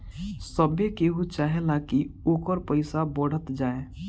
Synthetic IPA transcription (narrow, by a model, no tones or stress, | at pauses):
səbekeɦut͡ʃaːɦelakioːkəɾpəɪsabəɽ̤ət̪d͡ʒaːe